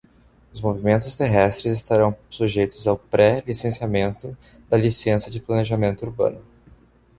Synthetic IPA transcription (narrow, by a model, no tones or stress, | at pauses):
ʊzmovimẽnt̪ʊst̪eɦɛst̪ɾɪzɪst̪aɾɐ̃w̃suʒejt̪ʊzawpɾɛlisẽsiamẽnt̪ʊ | d̪̥ɐlisẽsɐd͡ʒɪplɐneʒamẽnt̪ʊuɾbɐ̰̃nʊ